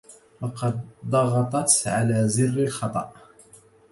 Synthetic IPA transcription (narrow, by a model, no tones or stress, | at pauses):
wɑqɑd̪d̪ˤɑɣɑt̪ˤɑt̪ʕalaːzɪrːalxɑt̪ˤɑʔ